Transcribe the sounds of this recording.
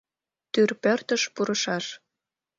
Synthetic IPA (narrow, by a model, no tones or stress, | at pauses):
t̪yrpørt̪əʃpuɾəʃɑʃ